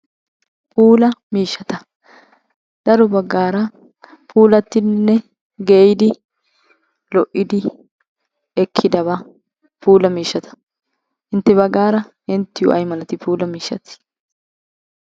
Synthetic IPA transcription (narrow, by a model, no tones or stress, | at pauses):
pʰuːlɐmiːʃːɐt̪ɐ | d̪̥ɐɾɔbɐɡːaːɾɐ | pʰuːlɐt̪ːɪnnːɛ | ɡejd̪ɪ | lɔʔːɪd̪ɪ | ɛkʰːɪd̪ɐβa | pʰuːlɐmiːʃːɐt̪ɐ̥ | ʔɪnt̪ːɛβɐɡːaːɾɐ | ɛnt̪ːɪjʊ̰ʔɐ̰jmɐlɐt̪ɪpʰuːlɐmiːʃːɐt̪ː